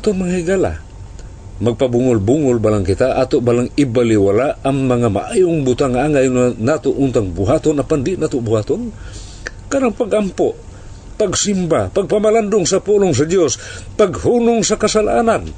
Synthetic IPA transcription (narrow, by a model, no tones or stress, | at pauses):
at̪oŋmaŋahɪɡala̰ | mɐɡ̚pabuŋʊlbuŋʊlbalaŋkɪt̪aʔat̪oʔbalaŋɪbalɪwalaʔaŋmɐŋama̰ʔajʊŋbʊt̪aŋːaʔaŋajŋanat̪oʔʊnt̪aŋbʊɦat̪onapand̪ɪʔnat̪obʊhaːt̪on | kaɾaŋpaɡʔampoʔ | paɡsimbapaɡ̚pamaland̪ʊŋsapuloŋs̬ad̪jospaɡhunʊŋsakasalaʔanan